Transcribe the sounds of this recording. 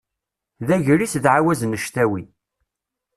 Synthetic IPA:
ðæʝɾisðʕawæzənəʃt̪æwi

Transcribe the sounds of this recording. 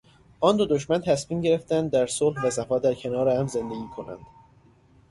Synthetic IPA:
ʔɒːnd̪od̪oʃmænt̪ʰæsmiːmɟe̞ɾe̞ft̪ænd̪ːæɾsolhvæsæfɒːd̪æɾcʰe̞nɒːɾehæmzend̪e̞ɡʲiːkʰo̞næ̰nd̪̥

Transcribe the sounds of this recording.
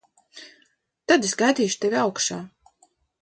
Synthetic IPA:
t̪ad̪esɡajd̪ʲiːʃut̪evʲiawkʃaː

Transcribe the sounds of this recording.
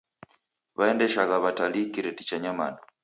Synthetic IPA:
βaɛndɛʃaɣaβatalikiɾɛtit͡ʃaɲama̰na

